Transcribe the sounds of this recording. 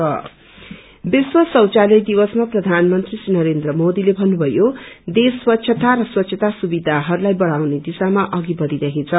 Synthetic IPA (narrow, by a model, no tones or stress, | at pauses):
ʌ | biswʌsʌwt͡salʌjd̪ibʌsmaprʌd̪ʱanmʌnt̪risinʌɾend̪rʌmod̪ilebʱʌnːubʱʌjod̪eswʌtːɕʰʌt̪aɾʌswʌt̪ːɕʰʌt̪asubid̪ʱaɦʌɾulajbʌɽawned̪isamaʔʌɡibʌɾiɾakʰet͡sʰʌ